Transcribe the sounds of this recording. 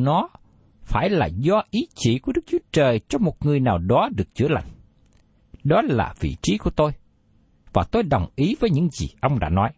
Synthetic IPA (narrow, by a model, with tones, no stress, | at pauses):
nɔ˨˦ | faː˧˩jlaː˨˩zɔ˧ʔi˨˦t͡ɕḭ˧˩ku˧˩əɗɨ˦˥k̚t͡ɕu˨˦ət͡ɕəː˨˩jt͡ɕɔ˧mo˨˩t̚ŋɨ˨˩əjnaː˨˩wɗɔ˨˦ɗɨ˨˩ək̚t͡ɕɨ̰˧˥əla̰˧˨ŋ̟ | ɗɔ˨˦laː˨˩vḭ˧˨t͡ɕi˨˦ku˧˩ət̪o˧j | vaː˨˩t̪o˧jɗə˨˩wŋ͡mʔi˨˦vəː˨˦jɲɨ̰˧˥ŋzḭ˨˩ʔə˧wŋ͡mɗa̰ː˧˥nɔ˨˦j